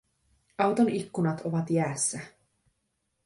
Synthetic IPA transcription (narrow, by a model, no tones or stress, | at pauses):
ɑwt̪o̞nikːunɑt̪o̞ʋɑt̪jæːsːæ